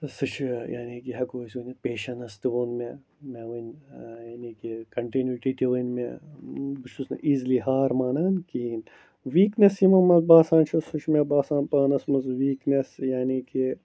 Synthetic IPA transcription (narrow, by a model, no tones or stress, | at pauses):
sɨt͡ʃʰja̰ːniːkiɦɐkoːsʲʋɐnɐpeːʃɐnɐst̪ɨʋoːnme | meʋɐnʲjaːniːkikɐɳʈinjuiʈit̪ʲiʋɐnmḛ | bɨt͡ʃʰusnɐ̰ʔiːzliɦaːɾmaːnaːnkiːn | ʋiːknesimɐmɐzbaːsãːnt͡ʃʰusut͡ʃʰmebaːsãːnpaːnɐsmɐzʋiːknesjaːniːki